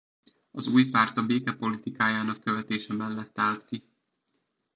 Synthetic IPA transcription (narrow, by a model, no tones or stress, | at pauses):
ɒzuːjpaːrt̪ɒbeːkɛpo̞lit̪ikaːjaːn̪ɒkːøvɛt̪eːʃɛmɛlːɛt̪ːaːlt̪ki